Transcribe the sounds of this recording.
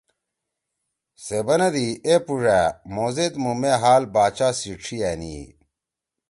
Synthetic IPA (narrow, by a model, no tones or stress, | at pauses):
sebɐnɐd̪iepuʐæmoːzet̪mumeɦaːlbaːt͡ɕaːsiʈ͡ʂʰiɛnḭ